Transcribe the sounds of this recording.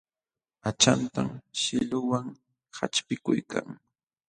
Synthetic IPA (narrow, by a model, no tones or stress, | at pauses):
at͡ʃant̪amʃɪlʊwaŋ | hat͡ʃpɪkʊjka̰ŋ